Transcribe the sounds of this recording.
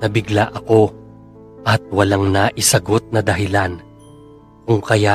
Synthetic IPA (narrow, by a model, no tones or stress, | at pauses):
nɐbɪɡlaʔɐko̞ | ʔɐt̪̚wɐlaŋnɐʔɪsɐɡo̞t̪̚nɐd̪ɐɦɪlan | kʊŋkɐja